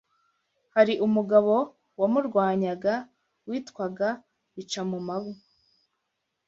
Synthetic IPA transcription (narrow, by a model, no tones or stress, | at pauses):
haɾiʔumuɡaβo̞ | wamuɾɡwaːɲaɡa | wiːtkwaɡa | it͡ʃamumaβu